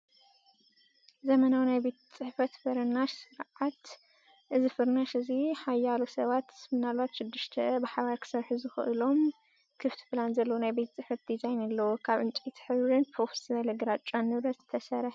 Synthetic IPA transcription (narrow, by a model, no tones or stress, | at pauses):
zɐmɐnawnajbe̞t̪ʰt͡sʼɨħfɐt̪bɐɾɐnaʃsɨɾʕat̪ | ʔɨzɨfɨɾnaʃɨziħajːalosɐβat̪smɨnalβat̪ʃɪd̪ːɨʃt̪ʰɐbɨħaβaɾkʰɨ̥sɐɾħuzɨxɨ̰ʔɨlo̞m | kʰɨft̪ʰi̥planzɐlːɐwunajbe̞t̪ʰɐt͡sʼɨħfɐt̪̚d̪izajnɐlːɐwukʰaβʔɨnt͡ʃʼit̪ʰħɨβɾɨnpʰofstiβɐlɐɡɾat͡ʃʼanːɨβɾɐzɨt̪ʰɐsɐɾħ